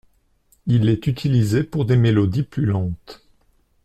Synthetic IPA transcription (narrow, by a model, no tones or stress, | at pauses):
ilɛt̪yt̪ʰilizepuʁd̪emelɔd̪iplylɑ̃t̪